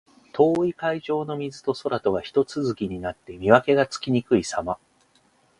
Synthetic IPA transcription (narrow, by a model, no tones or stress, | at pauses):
t̪ʰo̞ːikaiʑo̞ːno̞mʲizɨt̪o̞so̞ɾat̪o̞ɡaçi̥t̪o̞t͡sɨzɨkʲiɲ̟inat̪ːe̞mʲiβake̞ɡat͡sɨ̥kʲiɲ̟ikɯ̟isama